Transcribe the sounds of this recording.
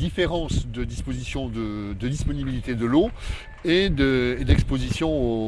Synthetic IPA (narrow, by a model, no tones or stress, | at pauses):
d̪ifeʁɑ̃sd̪əd̪ispozisjɔ̃d̪əd̪əd̪ispɔnibilit̪ed̪əlo | ed̪əed̪ɛkspozisjɔ̃o